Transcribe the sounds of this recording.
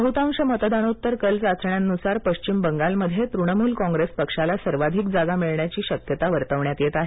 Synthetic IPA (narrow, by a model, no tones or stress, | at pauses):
əɦut̪ãmɕəmət̪d̪anut̪ːəɾkəlt͡sat͡sɾɳjanːusaɾpəɕt͡ɕimbəŋɡalməd̪ʱjet̪ɾuɽəmuːlkɔ̃ŋɡɾespəkʂalasəɾʋad̪ʱikd͡zaɡamiɭɳjat͡ɕiːɕəkjət̪aʋəɾt̪əʋɳjat̪jet̪aɦe